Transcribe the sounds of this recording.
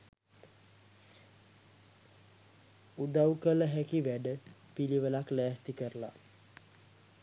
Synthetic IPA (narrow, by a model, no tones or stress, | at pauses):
ud̪awkələɦækiʋæɖəpiliʋəlaklæːht̪ikəɾəla̰